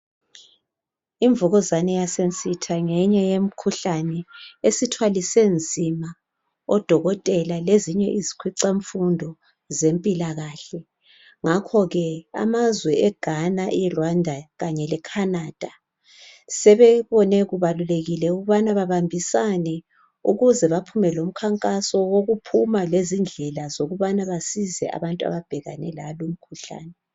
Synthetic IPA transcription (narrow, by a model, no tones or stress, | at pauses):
iɱvuɣɔzanɛjasent͡sʼitʰaŋɛɲɛjem̩kʰuɬanɛesitʰwalisend͡zʱima | ɔd̥ʱɔɣɔtʼɛlaleziɲɛʔizikʰwiǀaɱfundʱɔ | zempʼilaɣaːɬɛ | ŋakʰɔɣɛa̰mazwɛʔɛɡ̥ʱanaʔɛrwandʱaɣaɲɛlɛkʰanad̥ʱa | sɛβɛβɔnɛɣuβaluleɣilɛuɣuβanaβaβambʱisanɛ | uɣuzɛβapʰumɛlom̩kʰaŋkʼasɔwoɣupʰumalezind͡ɮʱɛlazoɣuβanaβasizɛ̰ʔa̰βantʼua̰βab̥ʱɛɣanɛlalum̩kʰuɬa̰ːnɛ